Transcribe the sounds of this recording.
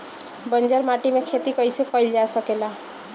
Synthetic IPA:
bənd͡ʒəɾmaʈimekʰet̪ikʌjsekɔjld͡ʒasəkela

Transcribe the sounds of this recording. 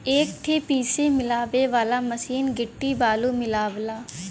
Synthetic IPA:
eːkʈ̪ʰeːpiːsemɪlaːʋeʋaːlaːməsiːnɡɪʈːibaːlumɪlaːʋlaː

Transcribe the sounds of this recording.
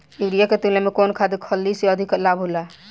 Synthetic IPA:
iɾijaket̪ilemekonkʰad̪ikʰəlːiseəd̪ʱiklabɦula

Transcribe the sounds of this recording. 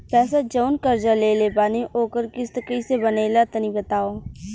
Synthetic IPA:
pɛːsad͡ʒəːnkəɾd͡ʒaːleːleːpaːniʔoːkəɾkɪst̪əkiːsebəneːlat̪ənĩːbət̪aːoː

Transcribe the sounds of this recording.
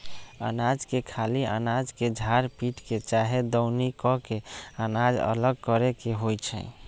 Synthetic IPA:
a̰nad͡ʒkekʰalia̰nad͡ʒked͡ʒʱaɾpiʈket͡ʃaɦed̪ɔʊnikɔkeanad͡ʒə̰ləɡ̚kɔɾekeɦojt͡ʃʰɛ̰̃

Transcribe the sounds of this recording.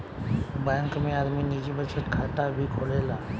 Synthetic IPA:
bə̃ŋkmẽaɾmiːnid͡ʑibət͡ɕəʈ̪kʰat̪abʱiːkʰolela

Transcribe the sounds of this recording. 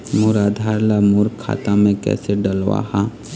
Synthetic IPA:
muɾaːd̪ʱaːɾlamuɾkʰːa̰ːt̪amẽkɛ̰ːseɖəlʋa̰ɦa

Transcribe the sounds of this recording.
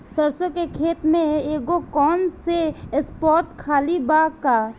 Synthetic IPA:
səɾsõkekʰeːt̪mẽeːɡokɔːnsespɔːɾʈ̪kʰaːlibaːɡkaː

